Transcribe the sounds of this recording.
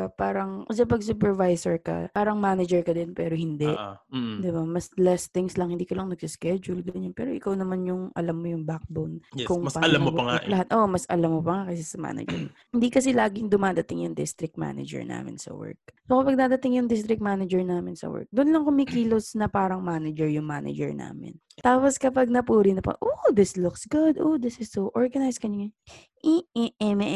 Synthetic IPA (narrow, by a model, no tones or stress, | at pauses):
paːɾɐŋʔsɐpɐɡsupɛɹvajsɛɹkɐ̰paːɾɐŋmaːnɐd͡ʒɛɹkɐd̪ɛnpɛːɾohɪnd̪ɛʔd̪ɪbamɐslɛst̪ɪŋslɐŋhɪnd̪iːkɐlɐŋnɐɡsɪskɛd͡ʒʊlɡɐɲɐnpɛːɾoʔɪkawnɐmanjʊŋʔɐ̰lamːojʊŋbak̚bawnkʊŋpalamwɐlɐhat̪̚ʔoʔmɐsʔɐlamːopɐŋakɐsɛsɐma̰nɐ̰d͡ʒɛ̰ɾmhɪnd̪ikɐsɛlaːɡɪŋd̪ʊmaːd̪ɐt̪ɪŋjʊŋd̪ɪ̰st̪ɾɪk̚t̪̚ma̰ːnɐ̰d͡ʒɛ̰ɹna̰ːmɪ̰nsɐ̰wɛ̰ɹk̚soːkɐpɐɡ̚nɐd̪ɐt̪ɪŋjʊŋd̪ɪst̪ɾɪk̚t̪manɐd͡ʒɛɹnaːmɪnsɐ̰wɛ̰ɹk̚d̪ʊnlɐŋkʊmɪkiːlosnɐpaːɾɐŋmaːnɐd͡ʒɛɹjʊŋmaːnɐ̰d͡ʒɛ̰ɹna̰ːmɪ̰n | t̪aːposkɐpaɡ̚nɐpuːɾɪnɐpɐ̰ʔod̪ɪslʊksɡʊd̪ʔod̪ɪsɪsːowʔɔɹɡɐnajskɐɲoŋa | ʔiɛʔɛmɛ